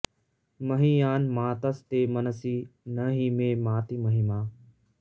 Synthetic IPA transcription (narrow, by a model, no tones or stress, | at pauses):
məɦĩjaːnmãːt̪əst̪eːmənəsiːnəɦiːmẽːmãːt̪iːməɦimãː